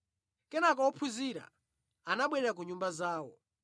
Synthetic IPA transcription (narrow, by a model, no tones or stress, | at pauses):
kɛnakɔwɔpʰuziɾa̰ | anaɓwɛɾɛɾak̬uɲumbazaːwɔ